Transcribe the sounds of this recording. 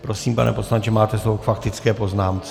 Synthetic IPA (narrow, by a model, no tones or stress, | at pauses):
pɾo̞siːmpa̰nɛ̰po̞slaɲt͡ʃɛmaːt̪ɛsowkfakt̪ɪt͡skɛːpo̞znaːmt͡s